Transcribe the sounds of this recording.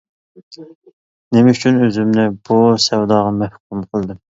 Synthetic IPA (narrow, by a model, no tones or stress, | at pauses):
nemɛyt͡ʃʰynøzymnɪbusɛwd̪ɑːʁɑmɛhkumqʰəlˠd̪ɨm